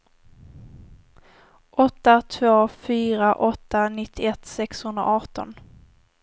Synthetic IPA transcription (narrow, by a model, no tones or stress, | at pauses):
ʔɔt̪ːat̪ʰvoːfyːɾaʔɔt̪ːanɪt̪ʰːɪɛt̪sɛkshɵnd̪ɾa̰ʔɑːʈɔ̰n